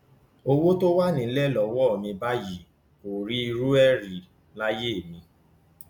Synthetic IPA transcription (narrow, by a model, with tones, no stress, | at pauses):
o˧wo˦to˦wa˦nĩ˨˦lɛ˦˨lɔ˨wɔ˦ɔ˨mĩ˧ba˦ji˨ | ko˨ɾi˦i˧ɾu˦ɛ˦ɾi˨ | la˦je˦˨mĩ˧